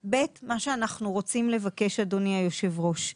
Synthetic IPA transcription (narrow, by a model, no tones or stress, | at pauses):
be̞tmaʃeanaχnuʁo̞t͡simle̞vake̞ʃadoniajo̞ʃe̞vʁo̞ʃ